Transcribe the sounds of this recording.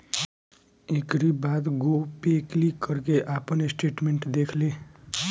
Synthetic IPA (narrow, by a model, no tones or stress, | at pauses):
ɪkɾibaːd̪ɡopeːklikəɾkeʔaːpnesʈeːʈmẽɳʈd̪eːkʰleː